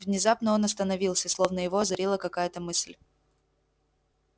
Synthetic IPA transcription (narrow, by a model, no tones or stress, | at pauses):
vnʲɪzapnəo̞nɐst̪ənɐvʲilˠsʲəslˠo̞vnəjɪvoɐzɐɾʲilˠəkɐkajət̪əmɨsʲlʲ